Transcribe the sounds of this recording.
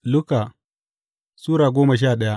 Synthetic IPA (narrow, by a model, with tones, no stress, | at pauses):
lʊ˦ka˨ | suː˦ɾaː˨ɡʷoː˦ma˨ʃ̬aː˦˨ɗɐ˦ja˦